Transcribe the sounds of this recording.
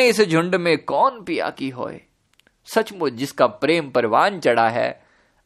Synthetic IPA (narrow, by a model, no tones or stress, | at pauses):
ɪsd͡ʒʱʊ̃ɳɖmẽkɔːnpija̰kiɦo̰ːḛ | sɐt͡ʃmʊd͡ʒɪskapɾeːmpɐɾɪʋaːnt͡ʃɐɽaɦɛ̰ː